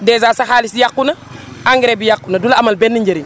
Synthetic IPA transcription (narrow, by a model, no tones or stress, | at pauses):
dɛːzaːsaxaːlisjakːunɐ | aŋɡɾebijakːunɐdulɐɐmɐlbenːiɲɟeɾin